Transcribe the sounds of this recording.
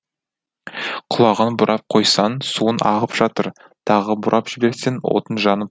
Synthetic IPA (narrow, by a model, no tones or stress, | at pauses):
qʰʊlˠɑʁənbʊɾʔɑp̚qʰo̞jsɑnsuənʔɑ̰ʁəpʒ̥ɑt̪əɾ | t̪ʰɑʁəbʊɾʔɑpʒ̥ɪbe̞ɾsenwo̰t̪ənʒɑnəp̚